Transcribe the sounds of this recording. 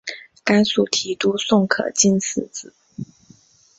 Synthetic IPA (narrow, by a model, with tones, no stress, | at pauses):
ka˥nsu˥˩t̪ʰi˧˥t̪u˥sʊ˥˩ŋkʰɤ̰˨˩t͡ɕi˥nsɹ̩˥˩t͡sɹ̩˨˩˦